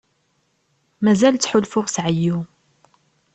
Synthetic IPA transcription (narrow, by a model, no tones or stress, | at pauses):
mæzælt͡sːħʊlfʊʁsʕəjːu